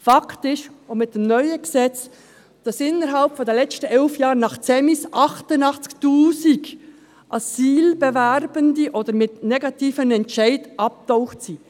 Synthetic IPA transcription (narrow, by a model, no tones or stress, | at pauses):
fɑkʰtɪʃomɪt̚d̥emnœʏəɡ̥sɛt͡s | d̥ɑsɪnːəɾɦɑlpfɔdɛlɛt͡stəɛlfjɑːɾnɑχt͡seːmɪsʔɑχtənɑχt͡sktuːsiɡ | ʔɑsiːlb̥ɛvɛɾbəndiʔoːd̥əɾmɪtnɛɡɑtiːfənɛntt͡ʃæɪdʔɑp̚taʊχtsi